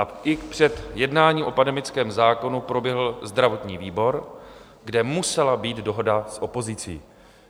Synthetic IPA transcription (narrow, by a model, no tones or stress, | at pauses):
ʔaʔɪpr̝̥ɛt̪jɛdnaːɲiːmʔo̞pandɛmɪt͡skɛːmzaːko̞nupɾo̞bjɛɦl̩zd̪ɾavo̞t̪ɲiːviːbo̞ɾ | ɡdɛmusɛlabiːt̪do̞ɦo̞dasʔo̞po̞zɪt͡siː